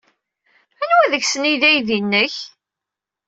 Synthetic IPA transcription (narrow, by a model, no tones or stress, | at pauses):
ænwæðəçsəniðæjðinːəç